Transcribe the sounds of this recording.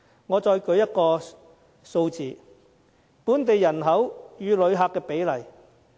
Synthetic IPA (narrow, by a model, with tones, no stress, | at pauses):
ŋɔː˨˧t͡ʃɔː˧jkɵ˨˧ɥjɐ˥t̚kɔː˧ | so˧wt͡siː˨ | puː˨˥nt̪e˨jːɐ˨˩nɦɐ˨˥wjyː˨˧lɵ˨˧ɥɦaː˨˧kːɛː˧pe˨˥jlɐ˨˩j